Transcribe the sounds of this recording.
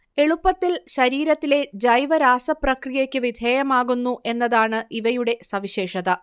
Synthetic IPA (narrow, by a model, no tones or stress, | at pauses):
e̞ɭupːɐt̪ːilɕɐɾiːɾɐt̪ːile̞d͡ʑɐjʋɐɾaːsɐprɐkrijɐkʲːɨʋid̪ʱeːjɐmaːɣunːuʔe̞nːɐðaːɳɨʔiʋɐjuɽe̞sɐʋiɕeːʂɐðɐ